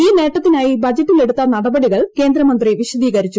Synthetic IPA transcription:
iːne̞ːʈːɐt̪ːinaːjibɐd͡ʑɐʈːile̞ɽut̪ːɐnɐɽɐbɐɽiɣɐɭke̞ːnd̪ɾɐmɐnd̪riʋiɕɐd̪iːɣɐɾit͡ɕːu

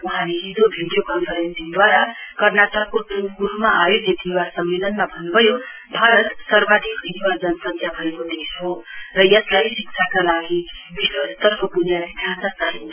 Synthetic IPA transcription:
uɦãneɦid͡zobʱiɽijokʌnpʰʌɾensiŋd̪waɾakʌrnaʈʌkːoʈupkuɾumaajodet̪ʰiwasʌmːelʌnmabʱʌnːubʱʌjo | bʱaɾʌt̪sʌrbad̪ʱikiɦwad͡zʌnsʌt̪ʰjabʱʌekod̪et͡sʰorʌjʌslajsik̚t͡sʰakalaɡibiswʌst̪ʌrkopunjabid̪ʱjant̪ʌsaɦin

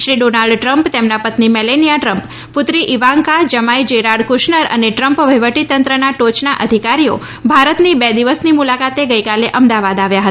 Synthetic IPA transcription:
ʃɾiɖonalɖʈɾəmpt̪emnapət̪nimɛlenijaʈɾəmp | pʊt̪ɾiʔiʋaŋkad͡ʒəmajd͡ʒeɾaɽkʊʃnəɾə̰neʈɾəmpʋəjʋəʈit̪ənt̪ɾənaʈot͡ʃnaʔəd̪ʱikaɾijo̰ | bʱaɾət̪nibɛd̪iʋəsnimulakat̪eɡəjkaleʔəmd̪aʋad̪aʋjaɦət̪a

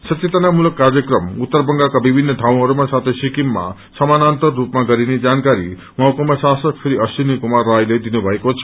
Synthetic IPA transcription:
sʌt̪it̪anamulɔkːaɾjʌkrʌmut̪ːʌɾbʌŋɡakabibʱinːʌd̪ʱaw̃ɦʌɾumasat̪ʰesikimːa̰ | sʌmanant̪ʌrːupmaɡʌɾined͡ʒankaɾḭ | mʌakomasasʌk̚pʰeɾiʌsinikomaːajlejd̪inubʱʌekot͡sʰʌ̥

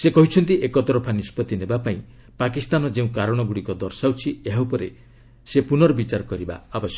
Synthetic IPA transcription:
sekɔɦit͡ʃʰɔnt̪iʔekɔt̪ɔɾɔpʰanispɔt̪inebapaĩ | pakist̪anɔd͡ʒeũkaɾɔɽ̃ɔɡuɽikɔd̪ɔɾsawt͡ʃʰieɦawpɔɾe | sepunɔɾɔbit͡ʃaɾɔkɔɾiba̰ːbɔsjɔk

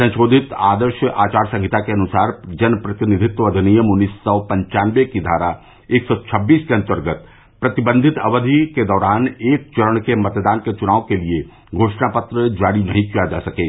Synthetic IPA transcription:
sɐ̃nʃoːd̪ʱɪt̪aːd̪əɾʃəʔaːt͡ʃaːɾsɐ̃ŋɡʱɪt̪akeɐnʊsaːɾd͡ʒɐnpɾɐt̪ɪnɪd̪ʱɪt̪ʋəd̪ʱɪnijəmʊnːiːsɔːpɐ̃ɲt͡ʃaːnʋekid̪ʱaːɾa | eːksɔːt͡ʃʰɐbːiːskeɐ̃nt̪əɾɡət̪ | pɾɐt̪ɪbə̃nd̪ʱɪt̪ɐʋəd̪ʱiked̪ɔːɾaːneːk̚t͡ʃɐɾəɳ̃kemɐt̪d̪aːnket͡ʃʊnaːʋõkelie | ɡʱoːʃnapət̪ɾəd͡ʒaːɽinɐɦĩkijad͡ʒa̰ːsɐkeː

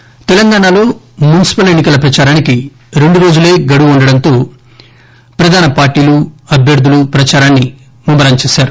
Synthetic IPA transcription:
t̪ɛlɐŋɡaːnaːlo̞ː | munisi̥pɐle̞nːikɐlɐpɾɐt͡ʃaːɾaːniki | ɾe̞ɳɖuɾo̞ːd͡ʒule̞ːɡɐɽuuɳɖɐɽɐnt̪o̞ː | pɾɐd̪ʱaːnɐpaːɾʈːiːluɐbʱjɐɾd̪ʱulupɾɐt͡ʃaːɾaːnːi | mumbɐɾaːɲt͡ʃeːsaːɾu

